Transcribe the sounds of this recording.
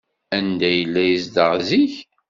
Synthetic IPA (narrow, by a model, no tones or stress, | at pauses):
ænd̪æjəlːæjisd̪əʁziç